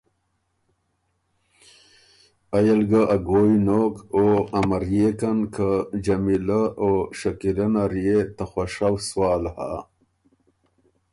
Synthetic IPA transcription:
ajalɡəʔaɡoːjnoːkoamɐɾjekankʰəd͡ʒamiləoʂɐkilɐnaɾjet̪axaʂawswaːlha̰

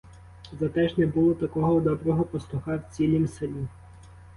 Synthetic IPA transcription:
zɐt̪ɛʒnɛbulˠɔt̪ɐkɔɦɔd̪ɔbɾɔɦɔpɔslˠuxɑwt͡sʲilʲimsɐlʲi

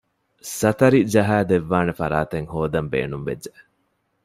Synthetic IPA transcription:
sɐt̪ɐɾid͡ʒɐɦaːd̪eʋːaːnefɐɾaːt̪eŋhoːd̪ɐmbḛːnumʋḛd͡ʒd͡ʒe

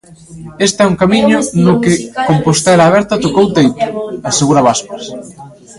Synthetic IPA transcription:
est̪ɛuŋkamiɲʊnʊkɪkompost̪eɾaːβɛɾt̪at̪okowt̪ejt̪ʊaseɣuɾaβaspas

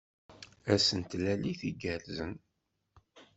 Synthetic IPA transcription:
æsənt̪læliθiɡæɾzən

